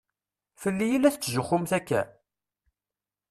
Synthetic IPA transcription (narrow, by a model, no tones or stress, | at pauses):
fəlːijilæθt͡sːʒʊχʊmθækːæ̰